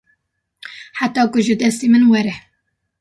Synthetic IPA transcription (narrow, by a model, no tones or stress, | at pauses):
ħat̪ɑːkʊʒɨd̪ɛst̪iːmɨnwɛɾɛ